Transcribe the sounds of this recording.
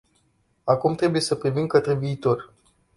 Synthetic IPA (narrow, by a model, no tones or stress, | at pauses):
akumt̪ɾe̞buje̞səpɾivimkət̪ɾeviːt̪o̞r